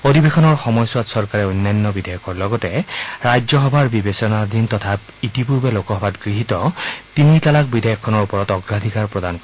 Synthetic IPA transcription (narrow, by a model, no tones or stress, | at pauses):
odʱibexɔnɔɹxɔmɔjsuwatsɔɹkaɹɛojnːajnːɔbidʱajɔkɔɹlɔɡɔtɛɹajd͡ʒɔxɔbʱaɹbibesɔnadʱintɔtʰap | itipuɹbɛlokɔɦɔbatɡɹiɦitɔtinitalak̚bidʱajɔkʰːɔnɔɹupɔɹɔtɔɡɹad̪ʱikaɹpɹɔdankɔ